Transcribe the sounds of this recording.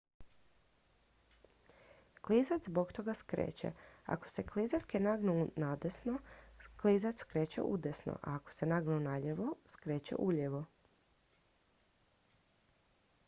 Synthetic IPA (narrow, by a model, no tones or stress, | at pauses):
klizat͡ʃ̪zbo̞kt̪o̞ɡaskɾḛːt͡ɕḛa̰ko̥se̞klizaʎʲkenaɡnunad̪esnoklizat͡ʃ̪kɾeːt͡ɕḛʔud̪esno̰ʔa̰ːko̥senaɡnunaʎeʋoskɾeːt͡ɕḛʔuʎeʋo